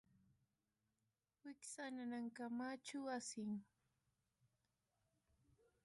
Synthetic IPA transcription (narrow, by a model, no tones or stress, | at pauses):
wɪksananaŋkamat͡ʃʊwasɪŋ